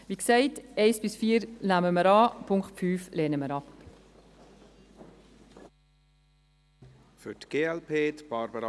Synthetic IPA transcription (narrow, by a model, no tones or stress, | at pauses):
viːksɛɪtɛɪsb̥ɪsfiːəɾnæməməɾɑpʰʊŋkχtfyːflɛːnəməɾɑp | fʏtɡ̥eːɛlpʰeːt̪b̥ɑɾbəɾɑ